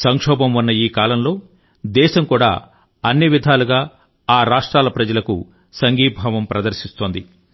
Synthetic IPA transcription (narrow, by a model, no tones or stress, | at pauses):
sɐŋkʂɔːbɐmunːɐiːkaːlɐmlo̞ː | d̪ɛːʃɐmkuːɽa̰ː | ɐnːiʋid̪ʱaːluɡaː | aːɾaːʂʈɾaːlɐpɾɐd͡ʒɐlɐkṵ | sɐŋɡiːbʱɐʋɐmpɾɐd̪ɐɾʃist̪oːnd̪i